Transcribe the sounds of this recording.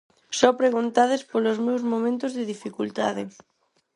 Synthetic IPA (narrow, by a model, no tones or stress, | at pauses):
sɔpɾeɣunt̪aðespolozmewzmõmẽnt̪ozðeðifikult̪a̰ðɪ